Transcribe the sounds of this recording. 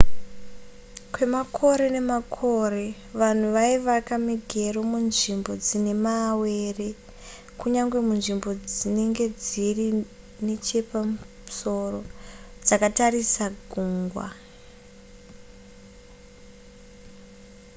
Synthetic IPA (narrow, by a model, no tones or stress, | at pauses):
kwe̞makʰo̞ɾe̞ne̞makʰo̞re̞ | ʋan̤uʋaiʋakamiɡʱe̞romunʐimbo̞d͡zine̞mawe̞ːre̞ | kuɲaŋɡwe̞munʐimbo̞d͡zine̞ŋɡe̞d͡ziri | net͡ʃe̞pamu | uso̞ro̞d͡zakatarisaɡʱuːŋɡwa̰